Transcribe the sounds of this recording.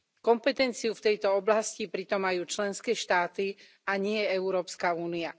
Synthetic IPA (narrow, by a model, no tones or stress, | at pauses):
kɔmpɛt̪ɛnt͡siuft̪ɛjt̪ɔɔblascipɾit̪ɔmːajuːt͡ʃlɛnskɛːʃt̪aːt̪i | aɲɪɛjɛɛʊɾɔːpskauːnia